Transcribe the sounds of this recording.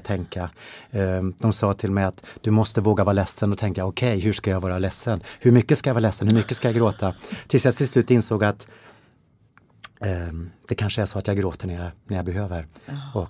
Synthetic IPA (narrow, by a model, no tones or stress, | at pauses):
t̪ʰɛŋka | d̪̥ɔmsɑːt̪ʰɪlmɛjat̪d̪̥ɵmɔst̪əvoːɡavɑːɾalɛsːənɔt̪ʰɛŋkajaɔkʰɛjɦɵʂkajavɑːɾalɛsːənhɵɾmʏkːəskajajvɑːɾlɛsːənhɵɾmʏkːəskajaɡɾoːt̪ʰat̪ʰɪlsjasʰɪslʉ̟ːt̪ːɪnsoːɡat̪ | d̪̥ɛkʰanʂəæʂɔat̪jaɡɾoːt̪əɳæjanæɾjabɛɦøːvəɾɔ